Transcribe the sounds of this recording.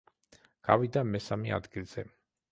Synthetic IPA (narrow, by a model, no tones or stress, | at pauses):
ɡ̥avid̪amɛsamɛa̰d̪ɡilˠz̥ɛ